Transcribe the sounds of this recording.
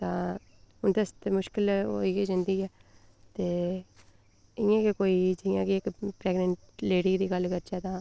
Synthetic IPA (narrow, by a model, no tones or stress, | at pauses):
t̪ãː | ʊnt̪əst̪emʊʃkɪl̰ːiːkeːd͡ʒɪ̃nd̪iːɛː | t̪eː | ɪjãːkekoːiːd͡ʒɪjãːkiɪkpɾɛːɡnəɳʈleːɖiːd̪iːɡəlːkəɾd͡ʒaːt̪ãː